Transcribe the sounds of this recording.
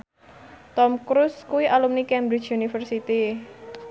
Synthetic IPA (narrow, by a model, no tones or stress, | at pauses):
t̪ɔmkɾuskuwiʔalumnikɛmbɾi̥t͡ʃunifərsit̪i